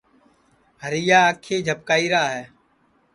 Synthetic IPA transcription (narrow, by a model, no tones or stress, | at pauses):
ɦəɾijaːkʰeːd͡ʒʱəp̚kaːiːɾaːɦɛː